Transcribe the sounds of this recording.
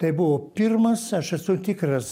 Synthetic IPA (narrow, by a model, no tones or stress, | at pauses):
t̪ɐɪbʊʋoːpʲirmɐsɐʃɛsʊt̪ʲɪkɾɐs